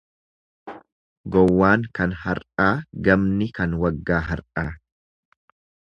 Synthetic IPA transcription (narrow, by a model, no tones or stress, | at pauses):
ɡɔwːaːŋkɐnhɐɾʔaːɡɐmnɪkɐnwɐɡːaːɦɐɾʔaː